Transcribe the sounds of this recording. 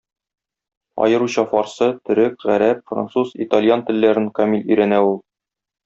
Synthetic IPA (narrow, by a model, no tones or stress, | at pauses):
ɒ̰jɤ̆ɾuɕɑfɒɾsɤt̪ɘ̆ɾɘkʁæɾæpfra̰nt̪suzḭt̪alʲjant̪ɘ̆lːæɾɘŋkɐmilʲɵ̆jɾænæulˠ